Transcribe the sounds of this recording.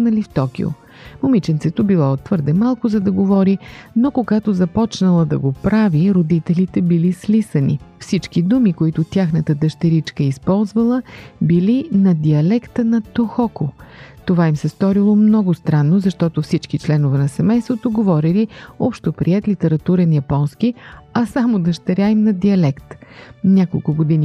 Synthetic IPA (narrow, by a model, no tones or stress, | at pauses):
nɐlift̪ɔk̟ʲḭo̰ | momit͡ʃɛnt̪sɛt̪obilˠɔot̪ːvɤɾd̪ɛmalˠkʊzɐd̪ɐɡovɔɾinokoɡat̪ozɐpɔt͡ʃnəlˠəd̪ɐɡopɾaviɾod̪it̪ɛlit̪ɛbilislisənḭfsit͡ʃkid̪umikoit̪ʊt̪ʲjaxnət̪əd̪əʃt̪ɛɾit͡ʃkəispɔlˠzvəlˠəbilinɐd̪iɐlɛkt̪ənɐt̪oxɔkot̪ovaimsɛst̪ɔɾilˠomnɔɡʊst̪ɾanːozɐʃt̪ɔt̪ofsit͡ʃkit͡ʃlɛnovɛnɐsɛmɛjst̪vot̪oɡovɔɾiliɔpʃt̪opɾiɛt̪lit̪ɛɾɐt̪uɾɛnjɐpɔnsk̟iɐsamod̪ɐʃt̪ɛɾʲaimnɐd̪iɐlɛkt̪nʲakolˠkʊɡod̪ini